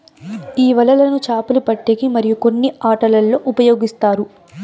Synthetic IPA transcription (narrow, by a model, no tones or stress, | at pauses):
iːʋɐlɐlɐnut͡ʃaːpɐlupɐʈːeːɡimɐɾijuko̞nːiaːʈɐlɐlːo̞ːʔupɐjo̞ːɡist̪aːɾu